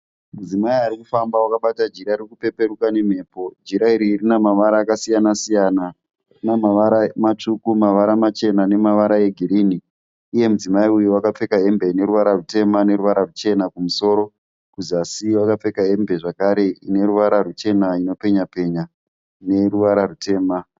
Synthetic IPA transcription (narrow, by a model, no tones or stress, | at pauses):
mud͡zimaiaɾikufambawakaɓatad͡ʒiɾairikupe̞pe̞ɾukane̞m̤e̞ːpo̞d͡ʒiɾaiɾiːrinamaʋaɾaːkasijanasijana | namaʋaɾamat͡ʂukumaʋaɾamat͡ʃe̞nane̞maʋaɾae̞ɡʱiɾiːniː | je̞mud͡zimaiujuwakap͡fe̞kaɦe̞mbe̞ne̞ɾuʋaɾarute̞mane̞ɾuʋaɾarut͡ʃe̞nakumuso̞ɾo̞ | kuzasiwakap͡fe̞kaɦe̞mbe̞ʐakaɾe̞ine̞ɾuʋaɾarut͡ʃe̞naino̞pe̞ɲape̞ɲa | ne̞ruʋaɾarute̞ːma